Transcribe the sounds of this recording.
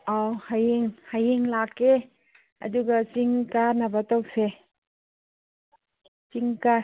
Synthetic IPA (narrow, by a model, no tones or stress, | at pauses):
awhajiŋhajiŋlakːe | ɐ̰duɡat͡ʃiŋkanabatɔwk̚se | t͡ʃiŋka